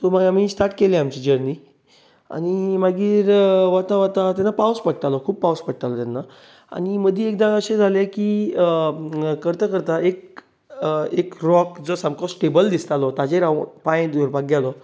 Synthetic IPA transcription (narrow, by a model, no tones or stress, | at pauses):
t̪ɔmaɡamisʈ̪aɾʈkelẽamt͡ɕid͡ʑəɾni | a̰ñimaɡiːɾʋat̪aʋat̪at̪anːapawspəɽ̚t̪alɔkʰuːbpːawspəɽt̪alɔt̪anːa | a̰ñiməd̪ʱiekd̪ãəɕed͡zʱaleki | kəɾt̪akəɾt̪aʔek̚ | ekɾɔkd͡zɔsamkɔsʈebəld̪ist̪alɔt̪ad͡ʑeɾawpãj̃d̪əɾpaɡalɔ